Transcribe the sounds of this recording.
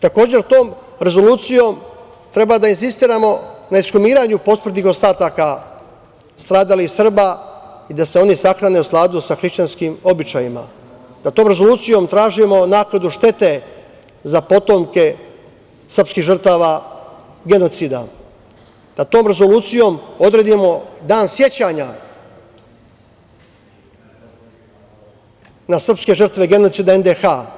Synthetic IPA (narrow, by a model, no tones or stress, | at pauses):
t̪ako̞ːd͡ʑe̞ɾt̪o̞ːm | ɾe̞zo̞luːt̪sijo̞m | t̪ɾe̞bad̪ainsist̪iːɾamo̞naiskumiːɾaɲupo̞smr̩t̪nixo̞st̪aːt̪aka | st̪ɾaːd̪alisr̩baid̪ase̞o̞nisaxɾane̞usklˠaːd̪usaxɾiʃt͡ɕanskimo̞bit͡ʃajima̰ | d̪̥at̪o̞ːmɾe̞zo̞lˠuːt̪sijo̞mt̪ɾaːʒimo̞naːklˠad̪uʃt̪e̞t̪e̞ | zapo̞t̪o̞mke̞ | sr̩pskiɣʒr̩t̪aːʋa | ɡe̞no̞t̪sid̪a | d̪̥at̪o̞ːmɾe̞zo̞luːt̪sijo̞mod̪ɾe̞d̪imo̞d̪aːnsje̞t͡ɕaɲa | nasr̩pske̞ʐr̩t̪ʋe̞ɡe̞no̞t̪siːd̪aend̪exaː